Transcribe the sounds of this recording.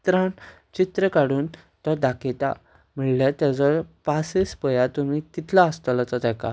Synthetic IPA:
t̪ɾãn | t͡ɕit̪ɾəkaɽuːn | t̪ɔd̪akit̪a | m̤iɭljat̪jat͡sɔpasespəjat̪um̤it̪it̪ʰlaəst̪əlɔt̪ɔt̪ɛka̰

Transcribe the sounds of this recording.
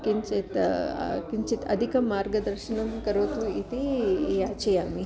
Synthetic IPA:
kint͡ʃet̪ | kint͡ʃit̪ɐ̰d̪ʱikɐmːaːɾɡɐd̪ɐɾʃnɐmkɐɾoːt̪uit̪iaːt͡ʃɐjaːmi

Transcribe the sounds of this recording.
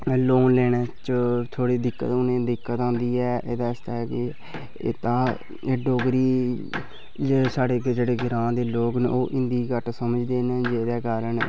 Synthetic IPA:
loːnlɛːɽt͡ʃət̪ʰoːɽiːd̪ɪkːə̰t̪ʊnẽːd̪ɪkːət̪ãːnd̪iːɛːʔeːd̪aːɪst̪aːɛkɪ̰ | t̪aː | ɖoːɡɾiː | d͡ʒesaːɽeːɡd͡ʒeːɽeːɡɪɾãːd̪eːloːkn̰ːoːʔɪ̃nd̪iːkəʈsəməd͡ʒd̪eːned͡ʒeːd̪ɛːkaːɾəɳ

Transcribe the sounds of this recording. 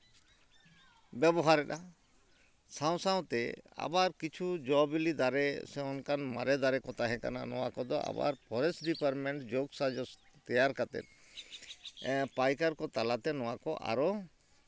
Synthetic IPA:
bɛbɔɦaɾɛɗa | sãw̃saw̃t̪ɛa̰baɾkit͡ʃʰud͡ʒɔbilid̪aɾɛsɛ̃ɔnkanma̰ɾɛd̪aɾɛkɔt̪ʰaɦɛ̃ka̰na̰nɔ̰wa̰kɔd̪ɔʔa̰ba̰ɾpʰɔɾɛsɖipaɾmɛɳʈd͡ʒoɡsad͡ʒɔt̪ɛjaɾkat̪ɛ̰t̪̚ | pajkaɾkɔt̪alat̪ɛnɔwakɔʔa̰ɾɔ

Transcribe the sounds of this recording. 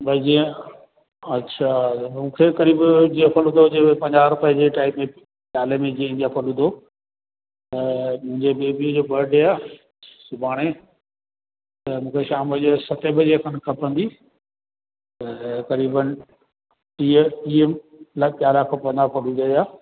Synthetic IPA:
bɐd͡ʑiẽ | ɐtːɕʰamũːkʰekɐɾiːbd͡ʑiːɐpʰəlɦʊ̃nd̪od͡ʑeːepɐ̃ɲd͡ʑaːɾʊpəd͡ʑeʈaːɪbmẽ | ɓjaːlemẽd͡ʑĩːĩnd̪iɐpʰəlɦʊ̃nd̪o | t̪ɐmʊ̃ɦɪ̃ɲd͡ʑebeːbid͡ʑoːɓɐɾɖeaː | sʊbʱaːɽ̃e | t̪ɐmũːkʰeʃaːməd͡ʑosɐt̪ebɪd͡ʑekʰɐnkʰɐpə̃nd̪i | t̪ɐkɐɾiːbən | iiːem | lɐɓjaːlaːkʰpɐ̃ɲd͡ʑaːpʰəlud̪ɐaː

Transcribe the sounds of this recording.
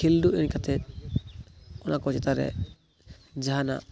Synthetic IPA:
elduɛnikat̪ʰɛ | ɔnʔakɔd͡ʒɛt̪aɾɛ̰ | d͡ʒaɦana̰

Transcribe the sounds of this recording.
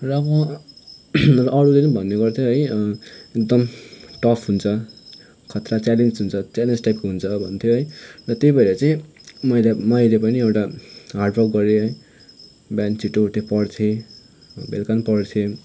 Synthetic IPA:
rʌːbʌ | rʌʔɽulet͡sʌ̃bʱʌnːeɡʌrt̪ʰjoɦʌjekd̪ʌmʈʌpʰɦunt͡sʰʌ | kʰʌt̪rat͡salensɦunt͡sʰʌt͡salend͡zʈajpkɦunt͡sʰʌbʱʌnt̪ʰjoɦʌjrʌt̪ejbʌiɾʌt͡sʌĩmʌjlamʌjlepʌniewʈaɦarɖrʌkɡʌɾeɦʌj | bant͡siʈoʈ̪epʌɽt̪ʰje | belkanpʌɽt̪ʰje

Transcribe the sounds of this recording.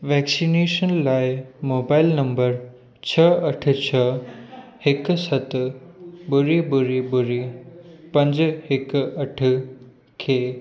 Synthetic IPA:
ʋɛːksineːʃənlaːɪmoːbaːɪlnɐmbəɾ | t͡ɕʰəɐʈ̆ʰt͡ɕʰə | hɪksɐt̪ | bʊɾibʊɾibʊɾipɐ̃ɲd͡ʑɦɪkɐʈʰ | kʰeː

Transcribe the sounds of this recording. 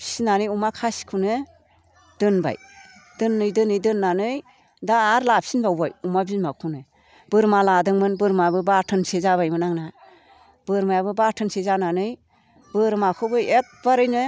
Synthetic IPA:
psinanɯjumakʰasi̥kʰɯnɯ | d̥ɯnba̰j | d̥ɯnːɯjdɯnɯjdɯnːanɯj | daːɾlap̚sinbawbajumabinmakʰunɯ | bɯɾmaladɯŋmɯnbɯɾmabɯbatʰɯnsezaβajmɯnaŋna | bɯɾmajbɯbatʰɯnsezananɯj | bɯɾmakʰɯbɯek̚baɾɯjnɯ

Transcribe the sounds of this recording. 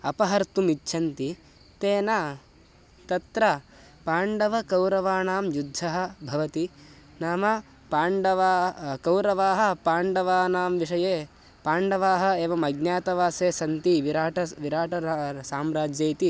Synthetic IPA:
ɐpɐɦɐɾt̪umitːʃʰɐnt̪i | t̪eːnaː | t̪ɐt̪ɾɐ | paːɳɖɐʋɐkɐwɾɐʋaːnaːmjud̪ʱːɐɦɐ̆bʱɐʋɐt̪i | naːmɐ | paːɳɖɐʋaːkɐwɾɐʋaːɦɐ̆paːɳɖɐʋaːnaːmʋiʂɐjeː | paːɳɖɐʋaːɦɐ̆eːʋɐmɐɡnjaːt̪ɐʋaːseːsɐnt̪iʋiɾaːʈɐʋiɾaːʈɐɾsaːmɾaːd͡ʒjɐjt̪i

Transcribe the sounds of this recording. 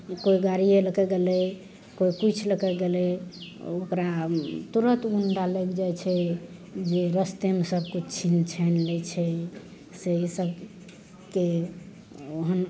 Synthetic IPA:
koiɡaɾieləkɛɡelɛ | koikut͡ʃʰləkɛɡelɛ | okɾat̪uɾət̪ɡunɾalekd͡ʒajt͡ʃʰɛ | d͡ʒeɾəst̪emesəbkut͡ʃʰint͡ʃʰɛnlɛt͡ʃʰɛ | seisəb | ke | oɦən

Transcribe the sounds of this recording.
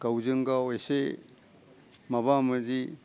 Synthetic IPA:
ɡawzɯŋɡaojse | maβamɯzi

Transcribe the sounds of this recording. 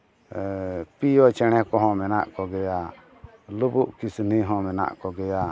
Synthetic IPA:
pijɔt͡ʃɛɽ̃ɛkɔɦɔ̃mɛna̰ʔkɔɡɛja | lubuʔkisniɦɔ̃mɛna̰ʔkɔɡɛja

